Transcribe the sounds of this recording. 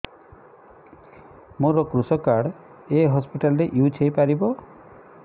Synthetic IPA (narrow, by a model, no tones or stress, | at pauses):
moɾɔkɾusɔkaɽ | eɦɔspiʈalɔɾeʔiut͡ʃʰejpaɾibɔ